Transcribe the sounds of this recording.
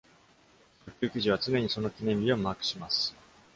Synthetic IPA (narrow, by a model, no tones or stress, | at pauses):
sokʲɨːkʲiʑiβ̞at͡sɨne̞ɲ̟iso̞no̞kʲinẽ̞mʲbʲiomaːkɯ̟̥ɕimasɨ̥